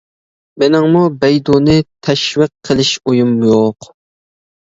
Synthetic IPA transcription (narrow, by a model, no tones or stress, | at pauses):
mɪnɪŋmubɛjd̪unɨt̪ʰɛʃwiqʰːəlˠɪʃojumjoq